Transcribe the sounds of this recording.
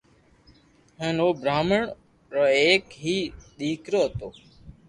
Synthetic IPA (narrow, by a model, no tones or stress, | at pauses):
ɦəːnoːbʱɾaːməɳ | ɾəːeːkɦiːɗ̪iːkɾoːɦət̪oː